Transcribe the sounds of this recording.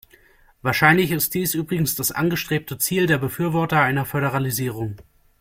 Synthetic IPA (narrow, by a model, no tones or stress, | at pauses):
vaːɐʃaɪnlɪçɪst̚d̥iːsʔyːbʁɪɡŋ̩sd̥asʔa̰nɡəʃtʁ̥eːp̚tət͡siːldeːɐbəfyːɐvɔɐtɐaɪnɐfœɾəʁ̞aliziːʁ̞ʊŋ